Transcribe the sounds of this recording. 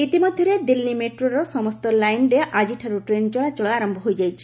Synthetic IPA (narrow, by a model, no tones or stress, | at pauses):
it̪imɔd̪ʱjɔɾed̪ilːimeʈɾoɾɔsɔmɔst̪ɔlajɳɖeʔad͡ʒiʈʰaɾuʈɾend͡ʒɔɭat͡ʃɔɭɔaɾɔmbʱɔɦojd͡ʒajt͡ʃʰi̥